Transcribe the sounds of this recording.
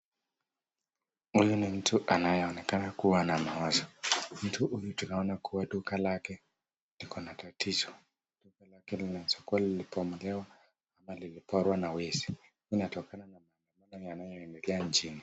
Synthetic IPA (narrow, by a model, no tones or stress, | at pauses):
hujunim̩tʰuʔanajɛɔnɛkanakuwanamaɔzɔm̩tuhujutunaɔnakuwaɗukalakɛ | likʰɔnatatizɔ | d̥ukalakɛlinasɔ̥kuwalilipɔmulɛwa | amalilipɔɾwanawɛzi̥ | inatɔkananamaːndamanɔjanajɔɛndɛlɛaɲt͡ʃini